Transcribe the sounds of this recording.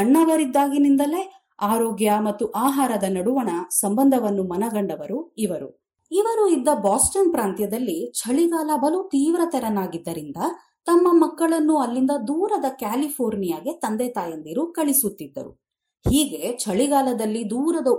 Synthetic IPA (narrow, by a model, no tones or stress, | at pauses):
ɐɳːɐʋɐɾid̪ːaːɡinind̪ɐle̞ | aːɾoːɡjɐmɐt̪ːuʔaːɦaːɾɐd̪ɐnɐɽuʋɐɳɐsɐmbɐnd̪ʱɐʋɐnːumɐnɐɡɐɳɖɐʋɐɾuiʋɐɾṵ | iʋɐɾuid̪ːɐbaːsʈɐnpɾaːnt̪jɐd̪ɐlːit͡ʃʰɐɭiɡaːlɐbɐlut̪iːʋɾɐt̪ɛɾɐnaːɡid̪ːɐɾind̪ɐ | t̪ɐmːɐmɐkːɐɭɐnːuɐlːind̪ɐd̪uːɾɐd̪ɐkaːlipʰoːɾnijaːɡe̞t̪ɐnd̪ɛt̪aːjɐnd̪iɾukɐɭisut̪ːid̪ːɐ̰ɾṵ | hiːɡe̞t͡ʃʰɐɭiɡaːlɐd̪ɐlːid̪uːɾɐd̪ɐ